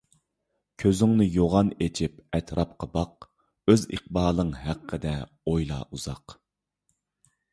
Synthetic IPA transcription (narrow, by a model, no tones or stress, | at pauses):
kʲʰøzyŋnɪjoʁɑnet͡ʃʰip̚ɛt̪ʰɾʔɑpqʰəbɑq̚ | øzḭq̚bɑːlˠɨŋɦæqʰːəd̪ɛ | ojlˠɑ̰ːʔuzɑq